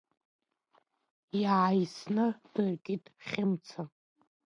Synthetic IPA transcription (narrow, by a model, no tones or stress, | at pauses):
jaːjsnɨd̥ɨrkʲʼitʼχʲɪmt͡sʰa